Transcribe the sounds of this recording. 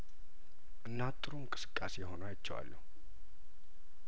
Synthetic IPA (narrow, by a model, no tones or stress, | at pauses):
ʔɨnːat̪ʼːɨɾuɨŋkʼɨ̥sɨ̥kʼːasejɦo̞najt͡ʃːɛwa̰lːə̰hu